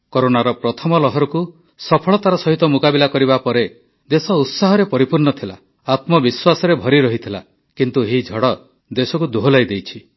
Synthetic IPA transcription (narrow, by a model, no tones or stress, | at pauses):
koɾonaɾɔpɾɔt̪ʰɔmɔlɔɦɔɾɔku | sɔpʰɔɭɔt̪aɾɔsɔɦit̪ɔmukabilakɔɾiβapɔɾe | d̪esɔut̪saɦɔɾepɔɾipuɾnɔt̪ʰila̰ | at̪mɔbiswasɔɾebʱɔɾiɾɔɦit̪ʰila | kint̪uɦid͡ʒʱɔɽɔ | d̪esɔkud̪uɦolajd̪ejt͡ʃʰi